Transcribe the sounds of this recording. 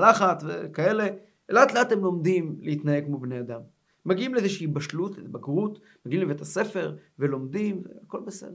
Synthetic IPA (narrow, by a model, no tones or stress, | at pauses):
laχatvḛkae̞le̞ | elat̪leat̪e̞mlo̞md̪imleit̪najekmobnead̪amː | aɡiimleezeʃiibaʃlutlḛtbaɡʁut | maɡiimlevetʰase̞fe̞ʁve̞lo̞md̪imvḛako̞lbesḛd̥̪e